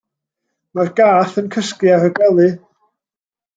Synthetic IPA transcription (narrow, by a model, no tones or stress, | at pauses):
marɡaːθənkʰəskɨaɾəɡɛlˠɨ